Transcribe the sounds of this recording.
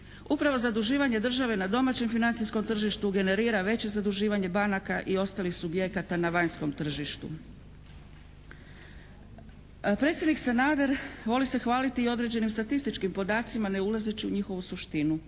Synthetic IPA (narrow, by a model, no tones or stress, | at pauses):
upɾaʋo̞zad̪uʒiːʋaɲe̞d̪r̩ʒaʋe̞nad̪o̞mat͡ɕe̞mfinant̪sisko̞mt̪r̩ʒiʃt̪uɡe̞ne̞ɾiːɾaʋe̞t͡ɕe̞zad̪uʒiːʋaɲe̞banakaʔio̞st̪aːlixsubje̞kat̪anaʋaɲsko̞mt̪r̩ʒiʃt̪ṵ | pɾe̞t̪sjed̪niksenaːd̪e̞ɾʋo̞lise̞xʋaːlit̪iːo̞d̪ɾe̞d͡ʑe̞nimst̪at̪ist̪it͡ʃkimpo̞d̪aːt̪simane̞ulˠazet͡ɕiuɲixo̞ʋusuʃt̪inu